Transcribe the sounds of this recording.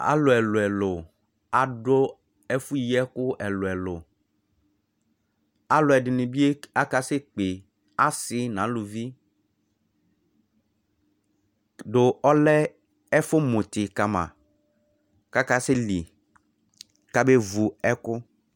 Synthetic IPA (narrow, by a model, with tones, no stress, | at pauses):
a̰˦lʊ˨ɛ˨lʊ˨ɛ˨lʊ˨ | a˨ɖo˦ | ɛ˦fu˦ji˦ɛ˦kʊ˦ʔɛ˨lʊ˨ɛ˨lʊ˨ | a˦lʊ˨ɛ˨ɖɪ˨nɪ̃˨bi˦e˦a˦ka˦sɪ˦k͡pe˨ | a˦sɪ˦nã˨˦lu˨vi˦ | do˨ɔ˦lɛ˦ | ɛ˦fʊ˦mõ˨t̪ɪ˨ka˨mã̰˨ | ka˦ka˦sɪ˦li˨ | ka˦be˦vu˨ɛ˦kʊ˦